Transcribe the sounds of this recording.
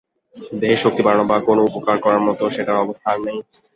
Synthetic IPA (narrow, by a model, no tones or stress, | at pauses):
d̪eɦeɾʃok̚t̪ipaɾnobakonoupokaɾkɔɾaɾmɔt̪oʃeʈaɾɔbost̪ʰanːej